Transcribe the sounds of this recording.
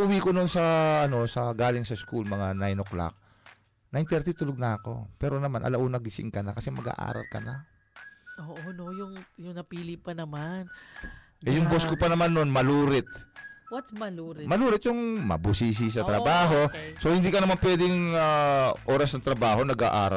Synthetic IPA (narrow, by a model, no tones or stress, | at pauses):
ʔʊwikononsɐʔɐno̞sɐɡaːlɪŋsɐskulmɐŋanajnokla̰k̚ | nɐɪnt̪ɛɾt̪it̪ʊloɡ̚nɐɐko̞̰pɛːɾo̞nɐmanʔɐ̰lɐʔunɐɡɪsɪ̰ŋkɐnakɐsɛmɐɡa̰ʔa̰ːɾɐ̰lkɐ̰na | ʔoːʔonojʊŋjʊŋnɐpiːlɪpɐnɐman | ʔʔɛjʊŋboskʊpɐnɐmanːonmɐluːɾɪt̪̚wmɐɾmɐluːɾɪt̪̚jʊŋmɐ̰busis̬is̬ɐt̪ɾɐbaːɦo̞sohɪnd̪iːkɐnɐmanpwɛːd̪ɪjʊŋaʔo̞ːɾɐsnɐŋt̪ɾɐbaːho̞nɐɡa̰ʔaːɾɐ̰